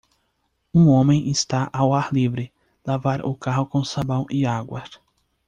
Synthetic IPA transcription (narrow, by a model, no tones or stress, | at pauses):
ũõmẽʔest̪aʔawaɾlivɾɪ | lavaɾʊkaɦʊkõsabɐ̃w̃iaɡwɐs